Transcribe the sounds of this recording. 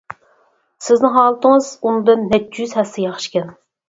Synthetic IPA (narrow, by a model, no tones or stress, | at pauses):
sɪznɪɦɑːlˠɨt̪ɨŋɨz̥unɨd̪ɨnːɛt̪ːjyzhɛsɛjɑχʃkʲɛn